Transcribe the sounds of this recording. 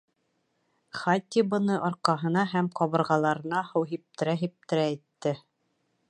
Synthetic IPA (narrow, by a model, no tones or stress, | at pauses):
χat̪ʲːibɤ̆nɤʔɒɾqɑɦɤ̆nɑɦæmqɒβɤ̆ɾʁɑlˠɑɾɤ̆nɑhɤwɦip̚t̪ɘ̆ɾæɦip̚t̪ɘ̆ɾæet̪ːɘ